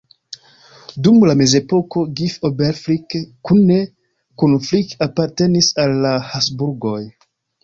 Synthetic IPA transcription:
dumlame̞ze̞po̞ko̞ɡifobeɾflikkːunːe | konflikapaɾte̞nisalːahasbuɾɡo̞j

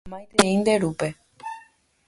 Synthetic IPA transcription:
mãjt̪eĩnd̪eɾupe

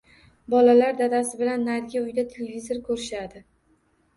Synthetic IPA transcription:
bɒlalaɾd̪ad̪asɪbɪlanːaɾɡʲaʊjd̪at̪ʰelevʲizoɾkʰɵɾɪʃad̪ɪ

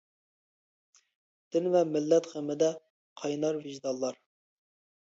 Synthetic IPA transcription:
d̪̥ɪnvɛmɪlːɛt̪χəmɪd̪ɛ | qʰɑjnɑɾvɪʒd̪ɑlˠːɑɾ

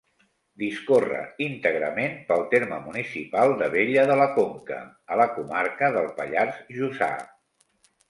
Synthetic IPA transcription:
d̪iskorə̰int̪əɣɾəmenpəlˠt̪eɾməmunisipalˠd̪əβeʎəðələkoŋkə̰ | ələkumaɾkəðəlˠpəʎarzʒuza̰

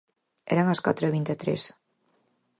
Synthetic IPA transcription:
ɛ̰ɾaŋɐska̰t̪ɾoeβ̞int̪et̪ɾḛs

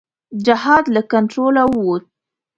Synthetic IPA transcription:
d͡ʒɪɦɑd̪lakantɾolawwut̪

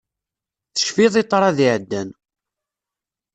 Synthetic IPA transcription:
θə̥ʃfiðˤit̪ˤːɾˤɑðiʕəd̪ːæn

